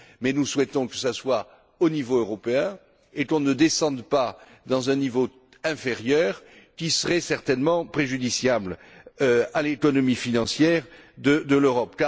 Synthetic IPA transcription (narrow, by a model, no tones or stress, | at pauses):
mɛnuswɛt̪ɔ̃kə̥saswa | onivoøʁɔpeɛ̃ | ekɔ̃nəd̪esɑ̃d̪pa | d̪ɑ̃zɛ̃nivo | ɛ̃feʁjœʁ | kʲisəʁɛsɛʁt̪ɛnmɑ̃pχeʒyd̪isjabl | øalekɔnɔmifinɑ̃sjɛʁd̪əd̪əløʁɔpka